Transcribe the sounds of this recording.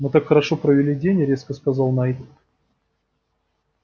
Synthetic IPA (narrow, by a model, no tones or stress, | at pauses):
mɨt̪akxəɾɐʂopɾəvʲɪlʲidʲenʲɪɾʲe̞skəskazɑlˠnajd̪ʲ